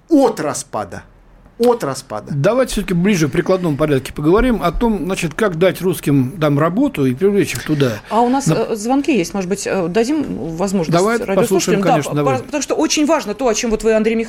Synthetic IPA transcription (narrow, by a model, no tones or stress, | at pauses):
ot̪rɐspa̰d̪ə̰ | ot̪rɐspa̰d̪əd̪ɐvajtʲɪ̥sʲot̪ə̥kʲɪblʲiʐɨk̚pɾʲɪklˠɐd̪no̞mpɐɾʲat̪̚kʲɪ̥pəɡəvɐɾʲimɐt̪o̞mznat͡ɕɪt̪kakd̪atʲruskʲɪmt̪amrɐbo̞t̪ʊipɾʲɪvlʲet͡ɕɪxt̪ʊd̪aɐʊnaszvɐnkʲijesʲtʲmo̞ʐɨd̪bɨtʲəd̪ɐdʲimvɐzmo̞ʐnd̪ɐvajɾadpsoslˠuuʂəɪmmkɐaneʂnəd̪ɐvpət̪ɐmuʂt̪oʔot͡ɕɪnʲvaʐnət̪o̞ɐt͡ɕo̞mvot̪vɨɐnd̪ɾʲejmʲɪx